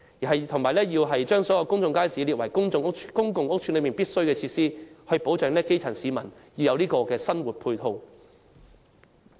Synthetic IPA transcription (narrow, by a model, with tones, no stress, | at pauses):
jiː˨˩ɦɐ˨jt̪ʰʊ˨˩ŋmaː˨˩jlɛː˥jiː˧wɦɐ˨jt͡ʃœː˥ŋsɔː˨˥jɐ˧wkʊ˥ŋt͡sʊ˧ŋkaː˥jsiː˨˥liː˨t̚wɐ˨˩jkʊ˥ŋt͡sʊ˧ŋ˥k̚kʊ˥ŋkʊ˨ŋʊ˥k̚t͡ʃʰy˨˥nlɵ˨˧jmiː˨˩npiː˥t̚sɵ˥ɥkɛː˧t͡sʰiː˧t̚siː˥hɵ˧ɥpo˨˥wt͡ʃœː˨˧ŋnlɛː˥ke˥jt͡sʰɐ˨˩nsiː˨˧mɐ˨˩nji˧wjɐ˨˧wniː˥kɔː˧kɛː˧sɐ˥nwuː˨t̚pʰuː˧jt̪ʰo˧w